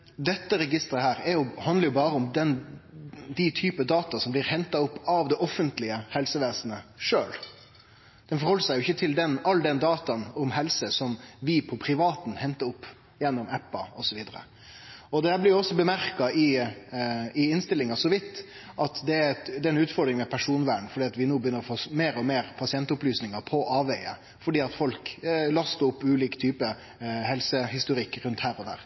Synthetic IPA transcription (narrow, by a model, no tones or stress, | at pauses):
d̪ɛt̪ːəɾɛɡɪst̪əɾəhæːɾɛɾjʊhɑnd̪ləɾjʊbɑːɾəʊmd̪ɛn | d̪ɪt̪ʰyːpəd̪ɑːt̪ɑsɔmblɪɾhɛnt̪ɑʊpːɑʋd̪ɛʔɔfːənt̪lɪəhɛlsəʋeːsnəʂøːl | d̪̥ɛnfɔɾhɔlːəʂæɪjʊɪçːət̪ʰɪld̪ɛnɑlːd̪ɛnd̪ɑːt̪ɑnʊmhɛlsəsɔmʋɪpʰɔpʰɾɪʋɑːt̪n̩hɛnt̪əɾʊpː | jɛnːʊmɛpːɑɔsɔʋiːd̪əɾə̰ | ɔd̪ɛhæblɪɔsːɔbəmæɾkɑɪ | ɪɪnst̪ɪlːɪŋɑsɔʋɪt̪ː | ʔɑt̪d̪ɛd̪ɛɛnʉːt̪fɔɾd̪ɾɪŋəmɛpʰæʂuːnʋæːɳ̩fɔɖiːɑt̪ʋɪnoːbəjʏnːəɾɔfoːmeːɾɔmeːɾpʰɑsɪɛnt̪ʊplyːsnɪŋɑpʰɔʔɑːʋæɪə | fɔɖiːɑt̪fɔlklɑst̪əʊpːʉːliːkt̪ʰyːpə | hɛlsəhɪst̪ʊɾɪkːɾʉnt̪hæːɾɔd̪æ̰ːɾ